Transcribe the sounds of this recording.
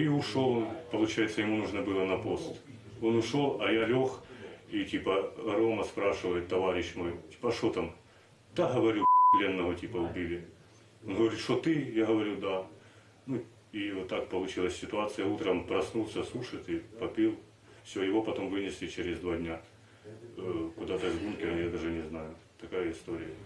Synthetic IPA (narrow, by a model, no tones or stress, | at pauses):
iʊʂo̞lˠpɐlˠʊt͡ɕæjɪt̪səjɪmunuʐnɐbɨlˠənɐpo̞st̪ | o̞nʊʂo̞lˠɐjalʲo̞xitʲipəɐɾo̞mɐspɾaʂɨvəjɪt̪ːɐvaɾʲɪɕmo̞jtʲi̥pɐɐʂt̪ot̪am | t̪aɦɐvɐɾʲuplʲe̞nːɐʋətʲipɐʊbʲilʲɪ | onɦɐvɐɾʲit̪ʂt̪ot̪ɨjaɦɐvɐɾʲud̪a | nu | ivot̪ːak̚pɐlˠʊt͡ɕilˠəsʲsʲɪt̪ʊat̪sɨjɐut̪ɾəmpɾɐsnulˠsʲɐslˠuʂɨɪt̪ipɐpʲilˠ | fsʲojɪvo̞pɐt̪o̞mvɨnʲɪsʲlʲɪt͡ɕeɾʲɪzʲd̪vadʲnʲa | kʊd̪at̪ɐzɡumkʲɪɾɐjad̪aʐɨnʲɪznajʊt̪ɐkajəɪst̪o̞ɾʲɪjə